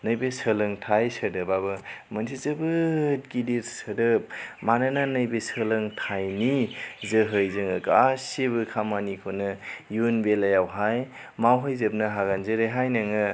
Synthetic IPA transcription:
nɯjbesəlɯŋtʰajsədɯbabɯmɐnsʰizɯbɯt̚ɡidiɾsədɯp̚manananɯjbesəlɯŋtʰajnizɯɦɯjzɯŋɯkaseβɯkʰamanikʰonɯjunbelajawɦaj | mawɦɯjzɯp̚nɯɦaɡanzeɾeɦajnaŋɯ

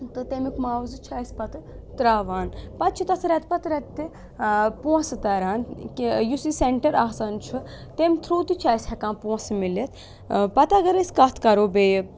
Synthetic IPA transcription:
t̪ɨt̪emikmaːʋzɨt͡ʃʰaːsʲpɐt̪ɨ | t̪ɾaːʋaːnpɐt̪̚t͡ʃʰit̪ɐsɾɛt̪pɐt̪ɾɛt̪t̪ːi | puɐ̃sɨt̪ɐɾaːnkijusiseɳʈɐɾaːsaːnt͡ʃʰɨ | t̪emʲt̪ʰɾuːt̪it͡ʃʰaːsʲhɐkãːnpũɐ̃smilet̪ | pɐt̪ɐɡɐɾesʲkɐt̪ʰkɐɾoːbeːji

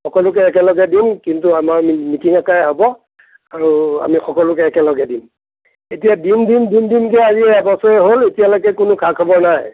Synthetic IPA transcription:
xɔkɔlʊk̬ɛɛkɛlɔɡɛdimkintuamaɹmimitiŋakajɛabɔ | aɹua̰mixɔkɔlʊkɛɛkɛlɔɡɛdim | etijadindindindinkɛaziɛabɔsɔɛɦoletijalɔkɛkʊnʊkʰakʰɔbɔɹnaj

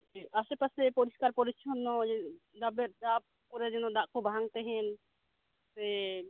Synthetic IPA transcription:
asɛpasɛpɔɾiskaɾpɔɾit͡ʃʰɔnːɔɛ | d̪abɛɾd̪aʔ | pɔɾɛd͡ʒɛnɔd̪aʔkɔbaɦaŋt̪ɛɦɛn | t̪ɛ

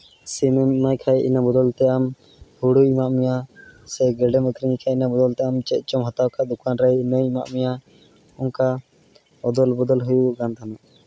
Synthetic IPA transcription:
simɛmajkʰajʔinabɔd̪ɔlt̪ɛʔam | huɽujmaʔmijasɛɡɛɖɛmək̪ʰɾiɲikʰainabɔd̪ɔlt̪ɛʔamt͡ʃɛt̪̚ˀt͡ʃɔmɦat̪awkaʔd̪ukʰanɾəjinəjmaʔmija | ɔŋka | ɔd̪ɔlbɔd̪ɔlɦujuɡant̪ʰanaʔ

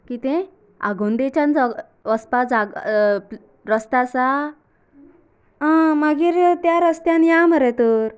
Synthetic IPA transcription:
kit̪ɛ̃ | a̰ɡʱond̪et͡ɕant͡s | əspad͡zaɡ | ɾəst̪asa | ãmaɡiːɾt̪jaɾəst̪janjaməɾɛt̪uɾ

